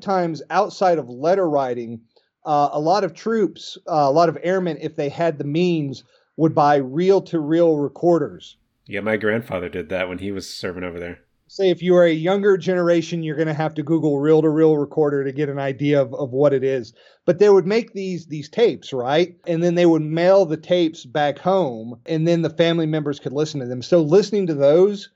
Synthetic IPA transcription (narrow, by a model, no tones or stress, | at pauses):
tʰãɪ̃mzaʊtsaɪɾʌvlɛɾə˞ɹaɪɾɪ̃ŋ | əlɔɾʌv̥tʰɹ̥ʉpsəlɔɾʌvɛɹmɨ̃ñɪfðeɪɨd̪̚ðɨmĩnz | wəd̚baɪɹilˠtʰɨɹilˠɹɨkʰɔɹɾə˞z̥ | jɛmaɪɡɹæ̃nd̥fɑ̰ðə˞dɨd̪̚ðæt̚wɨ̃niwʌz̥sɜ˞vɪ̃ŋ̃oʊvə˞ðə˞ | seɪɨfjɨə˞ɨjʌ̃ŋɡə˞d͡ʒɛnə˞eɪʃɨ̃njə˞ɡʌñɨɦæftɨɡuɡl̩ˠɹilˠtəɹilˠɹɨkʰɔɹɾə˞ɾɨɡɛɾɨ̃naɪdiɨʌvʌvwʌɾɨɾɪz | b̥ʌt̪̚ðeɪwəd̚meɪk̚ðizðiz̥tʰeɪpsɹaɪt̚ɨ̃nðɨ̃nðeɪwəd̚meɪlˠðɨtʰeɪpsb̥ækhõʊ̃mʔɨ̃nðɨ̃nðɨfæ̃mlimɛ̃mbə˞z̥kʰɨdˡlɪsn̩tʰɨðɨ̃msoʊlɪsnɪ̃ŋtɨðoʊz̥